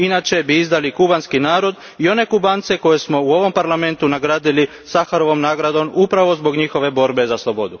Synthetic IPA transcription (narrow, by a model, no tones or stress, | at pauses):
inat͡ʃe̞biizd̪alikubanskinaːɾo̞d̪ | io̞ne̞kubaːnt̪se̞ko̞je̞smo̞uo̞ʋo̞mpaɾlame̞nt̪unaɡɾaːd̪ili | saxaɾo̞ʋo̞mnaːɡɾad̪o̞mupɾaʋo̞zbo̞ɡɲixo̞ʋe̞bo̞ɾbe̞zaslˠobo̞d̪u